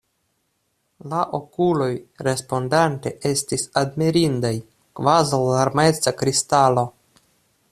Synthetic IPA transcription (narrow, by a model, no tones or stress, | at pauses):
laʔo̞kulo̞jɾe̞spo̞ndante̞ʔe̞stisadmiɾindaj | kvazawlaɾmet͡sakɾistalo̞